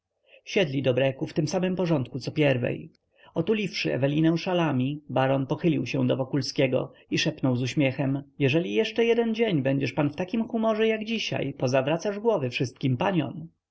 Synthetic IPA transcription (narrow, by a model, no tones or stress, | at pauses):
ɕɛd̪lʲid̪ɔbɾɛkuft̪ɘmsamɘmpɔʐɔnt̪̚kut̪sɔpʲjɛɾvɛ̰j | ɔt̪ulʲifʂɘ̰ɛ̰vɛlʲinɛw̃ʂalamʲibaɾɔnpɔxɘlʲiwɕɛw̃d̪ɔvɔkulskʲɛɡɔ̰iʂɛpnɔwzuɕmʲjɛxɛmjɛʐɛlʲijɛʂt͡ʂɛjɛd̪ɛnd͡ʑeɲbɛɲd͡ʑɛʂpanft̪akʲimxumɔʐɛjaɡd͡ʑiɕa̰jpɔzavɾat̪saʐɡwɔvɘfʂɘst̪̚kʲimpaɲɔ̰m